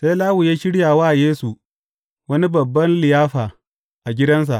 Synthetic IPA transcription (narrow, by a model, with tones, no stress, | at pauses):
se˦laː˦wʊ˨jaː˦ʃɪ˦ɽjaː˨waː˦ʔjeː˦su˨ | wɐ˦ni˦bɐ˨bːɐ˦nlɪ˨jaː˦ɸaː˨ | ʔa˨ɡʲɪ˦dɐ˦ns̬a̰˨ʔ